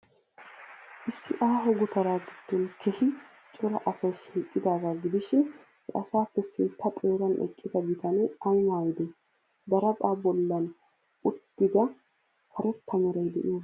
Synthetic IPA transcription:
ʔɪsːɪʔaːɦɔɡʊt̪ɐɾaːɡɪd̪̥ːɔnkʰɛhɪ | t͡ʃʼɔɾɐʔɐsɐjʃiːkʼːɪd̪aːɡaːɡɪd̪ɪʃɪn | hɛ̰ʔɐsaːpːɛsɪnt̪ʰːɐt̪ʼeːɾɐnɛ̰kʼːɪd̪ɐɡɪt̪ɐnɛɐjmaːjɪd̪ɛ | d̪ɐɾɐpʼaːbɔlːɐn | ʔʊt̪ːɪd̪ɐ | kʰɐɾɛt̪ʰːɐmɛɾɐjd̪ɛʔɪjoː

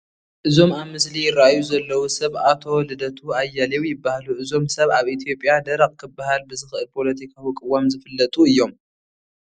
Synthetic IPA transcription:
ʔɨzo̞maβmɨslijɪɾajuzɐlːɐwusɐβat̪ʰowlɨd̪ɐt̪ʰuajːalɐwjɪbːahaluʔɨzo̞msɐβaβʔit̪ʰijo̞pʼjad̪ɐɾaq̚ʼkʰɨbːahalbɨzɨxɨʔɨlpʰo̞lɐt̪ʰikʰawikʼɨwamzɨfɨlːɐt̪ʼuɨjːo̞m

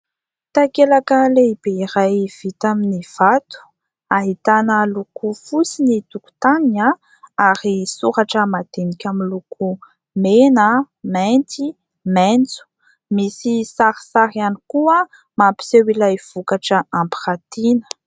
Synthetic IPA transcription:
t̪akelakəleib̥eiɾajv̥it̪aminiv̥at̪u̥ | aɦit̪anəlukufusinit̪uku̥t̪ania | aɾisuɾaʈ͡ʂəmat̪enikʲamilukʰu | menə | ment̪i | ment͡su̥ | misisaɾi̥saɾianikuə | mapi̥sewilajv̥ukaʈ͡ʂəampi̥ɾat̪inə̥

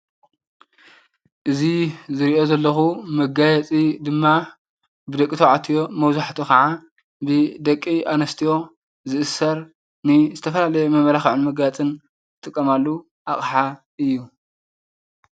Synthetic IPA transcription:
ʔɨzizɨɾiʔo̞zɐlːɐxumɐɡajɛt͡sʼid̪ɨmːa | bɨd̪ɐkʼit̪ʰoʕat̪ʰijo̞mɐwzaħt̪ʰokɐʕa | bɨd̪ɐkʼːiʔanɐst̪ʰijo̞ | zɨʔɨsɐɾ | nɨzɨt̪ʰɐfɐlalɐjemɐmɐlaxʕunmɐɡajɛt͡sʼɨn | ɨt̪ʼɨkʼːɐmalːu | ʔa̰χʼħa | ʔɨjːu

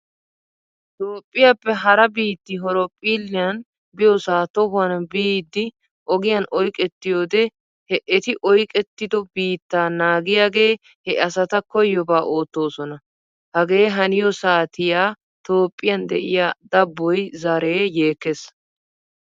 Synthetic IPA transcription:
t̪oːpʼːɪjapːɛɦɐɾɐbiːt̪ːɪɦɔɾɔpʼːiːlːɪjɐn | bɪjɔsaːt̪ɔhʊɐnbiːd̪ːɪ | ʔɔɡɪjɐnʔɔjkʼɛt̪ːɪjoːd̪ɛ | hɛʔɛt̪ɪʔɔjkʼɛt̪ːɪd̪ɔbiːt̪ːaːnaːɡɪjaːɡe̞ː | hɛʔɐsɐt̪ɐkɔjːɔbaːʔoːt̪ːo̞ːsɔnɐ | hɐɡe̞ːɦɐnɪjɔsaːt̪ɪjaː | t̪o̞ːpʼːɪjɐnd̪ɛʔɪ̰jaːd̪ɐbːɔjzɐɾeːje̞ːkːes

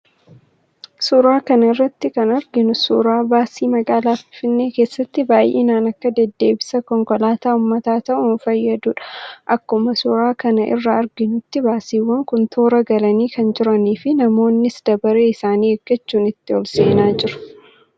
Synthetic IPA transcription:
sʊɾaːkɐnɐɪrːɐt̪ːɪkɐnɐɾɡɪnʊsuɾaːbaːsiːmɐɡaːlaːfɪnfɪnːe̞ːkeːsːɐt̪ːɪbaːjʔḛːnaːnɐkːɐd̪ɛd̪ːe̞ːbɪsɐkɔŋkɔlaːt̪aːʊmːɐt̪aːt̪ɐʔʊnfɐjːɐd̪uːᶑɐ̥ʔɐkːʊmɐsʊɾaːkɐnɐʔɪ̰rːɐɐɾɡɪnʊt̪ːɪbaːsiːwːɐŋkʊnt̪ʰo̞ːɾɐɡɐlɐniːkɐnd͡ʒɪɾɐniːfɪnɐmo̞ːnːɪsd̪̥ɐbɐɾeːɪsaːniːɛɡːɐt͡ʃːuːnɪt̪ːɪɔlse̞ːnaːd͡ʒɪɾʊ̥

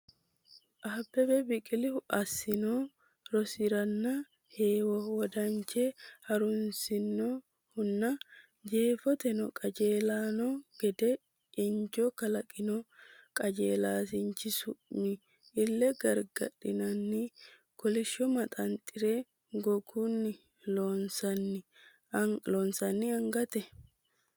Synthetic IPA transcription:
ʔaːbːɛbɛbɪkʼɪlɪhʊʔɐsːɪnoː | ɾɔsɪɾɐnːɐ | heːwɐwɔd̪ɐnt͡ʃɛhɐɾʊnsɪnːɔ | hʊnːɐ | d͡ʒe̞ːfɔt̪ɛnɔkʼɐd͡ʒe̞ːlaːnɔɡ̥ɛd̪ɛ | ʔɪnd͡ʒɔkɐlɐkʼɪnɔkʼɐd͡ʒeːlaːsɪnt͡ʃːɪsʊʔmɪː | lːɛɡɐɾɡɐ̰ᶑɪnɐnːɪ | kɔlɪʃːɔmɐt̪ʼɐnt̪ʼɪɾeː | ɡɔɡunːɪ | lonsɐnː | lonsɐnːɪɐŋɡɐt̪ɛ

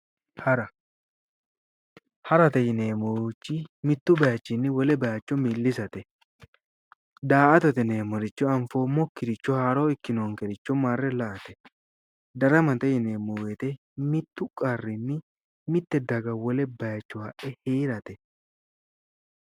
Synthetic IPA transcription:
hɐɾɐ | hɐɾɐt̪ɛjɪneːmut͡ʃːɪmɪt̪ːʊbɐjɐt͡ʃːɪnːɪwɔlɛbɐjɐt͡ʃːɔmilːɪsɐt̪ɛ | d̪aːʔɐt̪ɐt̪ɛneːmɔɾɪt͡ʃːɔɐɱfoːmɔkːɪɾɪt͡ʃːɔhaːɾoːɪkːɪnoːŋkɛɾɪt͡ʃːɔmaːrːɛlɐʔɐt̪ɛ | d̪ɐɾɐmɐt̪ɛjɪneːmuːwet̪ɛ | mɪt̪ːʊkʼɐrːɪnːɪ | mɪt̪ːɛd̪ɐɡɐwɔlɛbɐjɐt͡ʃːɔhɐʔɛheːɾɐt̪ɛ

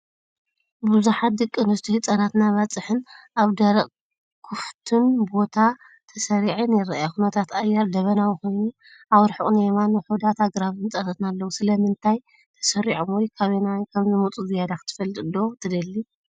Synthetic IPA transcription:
bɨzuħat̪̚d̪ɨkʼːɨnɨst̪ʰihɨt͡sʼɐnat̪naβat͡sʼɨħɨnʔaβd̪ɐɾɐ | kʰuft̪ʰɨnbo̞t̪ʰa | t̪ʰɐsɐɾiʕinjɪɾɐ̰ʔjaxunɐt̪ʰat̪ajaɾd̪ɐβɐnawixo̞jnu | ʔawɔɾħɨʔʼnemanħud̪at̪ʰaɡɾaβɨnt͡s̪ʼɐnɐt̪nalːɐwusɨlɐmɨnt̪ʰaj | t̪ʰɐ̥sɐɾiʕomwɔjkʰaβenakʰɐmzɨmut͡sʼuzɨjad̪akt̪ʰɨ̥fɐlɨt̪ɨd̪o̞t̪ʰɨd̪ɐlːi

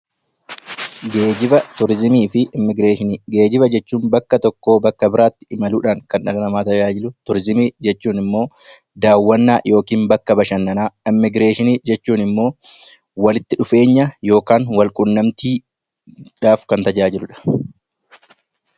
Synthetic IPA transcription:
ɡeːd͡ʒɪbɐt̪ʊɾɪzmiːfɪmɪɡɾeːʃɪnːɡe̞ːd͡ʒɪbɐd͡ʒɛt͡ʃːuːnbɐkːɐt̪ɔkːoːbɐkːɐbɪɾaːt̪ːɪ̥ɪmɐluːᶑaːŋkɐnᶑɐlɐnɐmaːt̪ɐd͡ʒaːd͡ʒɪlʊt̪ʊɾɪzɪmiːd͡ʒɛt͡ʃːuːnɪmːo̞ː | d̪aːwːɐnːaːjʔo̞ːkiːnbɐkːɐbɐʃɐnːɐnaːɪmːɪɡɾeːʃɪniːd͡ʒɛt͡ʃːuːnɪmːo̞ː | wɐlɪt̪ːɪᶑʊfe̞ːɲːɐjo̞ːkaːnwɐlkʼʊnːɐmt̪iː | ᶑaːfkɐnt̪ɐd͡ʒaːd͡ʒɪlʊᶑɐ̥

